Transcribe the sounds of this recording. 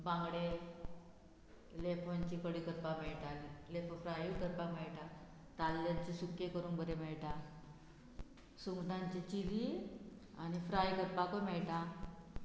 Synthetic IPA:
bãŋɡɽe | lepʰoɲt͡ɕikəɽiːkəɾpamɛɭʈalilepʰofɾajukəɾpamɛɭʈa | t̪alːaɲt͡ɕisukjekəɾuːnbəɾemɛɭʈa | suŋɡʈ̪ãɲt͡ɕit͡ɕili | anifɾajkəɾpakomɛɭʈã

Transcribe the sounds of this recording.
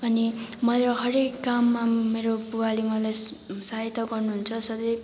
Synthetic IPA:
ʌnimʌɾoɦʌɾekːamːameɾobuwalimʌlaj | saɦit̪ːʌɡʌrnuɦunt͡sʰʌsʌd̪ʌj

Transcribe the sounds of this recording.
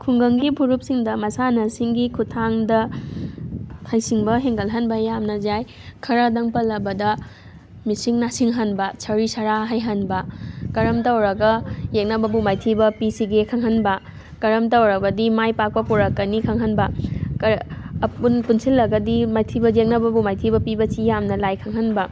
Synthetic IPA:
kʰuŋɡɐŋɡipʰuɾup̚siŋdɐmɐsanɐsiŋɡikʰutʰaŋdɐ | hajsiŋbɐɦeŋɡɐlɦanbɐjamnɐzaj | kʰɐɾɐdɐŋpɐlːɐbɐdɐ | misiŋnasiŋɦanbɐsʰɐɾisaɾaɦajɦanbɐkɐɾɐmtawɾɐɡɐjek̚nɐbɐbumajtʰibɐpisiɡekʰaŋɦɐnbɐ | kɐɾɐmtawɾɐbɐdimajpak̚pɐpuɾɐkɐnikʰaŋɦɐnbɐkɐpunpunsilːɐɡɐdimajtʰibɐjek̚nɐbɐbumajtʰibɐpibɐsijamnɐlajkʰaŋɦɐnbɐ

